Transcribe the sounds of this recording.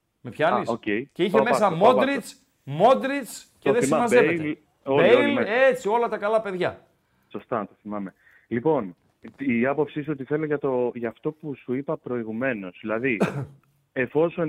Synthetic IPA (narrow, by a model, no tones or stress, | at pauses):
mepçɐisoceiceiçemesɐmoɾit͡s | mo̞d̪ɾit͡sceðesɐmɐzevel | oeleet͡sio̞lɐt̪ɐkɐlɐpe̞ðʝɐ | so̞st̪ɐt̪oθimɐme̞ | lipo̞n | ɐpo̞psiisuot̪iθe̞loʝɐt̪o̞ʝɐft̪o̞pusuipɐpɾo̞iɣume̞no̞z̥ðilɐði | e̞fo̞so̞n